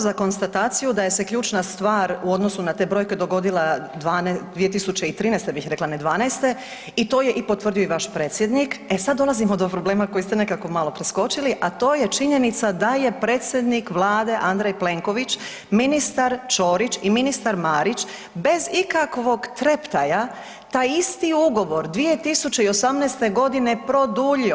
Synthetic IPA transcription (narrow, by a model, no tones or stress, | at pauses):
zako̞nst̪at̪aːt̪sijud̪aje̞se̞kʎuːt͡ʃnast̪ʋaːɾuo̞d̪nosunat̪ebɾo̞ːjked̪o̞ɡo̞d̪ilˠad̪ʋand̪ʋiːet̪̬isut͡ɕeit̪ɾiːnɛjst̪ebixɾe̞klaned̪ʋaːnɛjst̪e̞ | it̪o̞ːje̞ʔipo̞t̪ʋr̩d̪ijo̞iʋaʃpɾe̞ːt̪sjed̪nikesad̪ːo̞lˠazimod̪opɾo̞ble̞ːmako̞jist̪ene̞kako̞malo̞pɾesko̞t͡ʃiliʔat̪o̞ːjet͡ʃiɲe̞nit̪sad̪aje̞pɾeːt̪sʲjed̪nikʋlˠaːd̪e̞ʔand̪ɾejple̞ŋkoʋit͡ʃ | minist̪aɾt͡ʃoːɾit͡ʃiminist̪aɾmaːɾit͡ʃ | be̞zikakʋo̞ɡt̪ɾept̪aja | t̪aːjist̪iuɡo̞ʋo̞ɾd̪ʋije̞t̪isut͡ʃe̞io̞samnɛːst̪e̞ɡo̞d̪inepɾo̞d̪uʎio